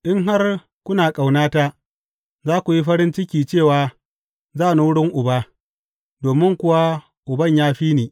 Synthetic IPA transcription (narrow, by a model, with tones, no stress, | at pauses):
ʔɪ˦ŋɦa˦r | kʷʊ˦naː˨kʼa˨wnaː˦ta˦ | zaː˦kʷu˨ji˦ɸɐ˦ɾɪ˦nt͡ʃɪ˦kʲiː˨t͡ʃeː˦˨waː˨ | zaː˦˨nu˨wʊ˦ɽɪ˦ŋʔʊ˨ba˦ | doː˨mɪ˦ŋkʷʊ˨wa˦ | ʔʊ˨bɐ˦˨ɲjaː˦ɸiː˦neː˨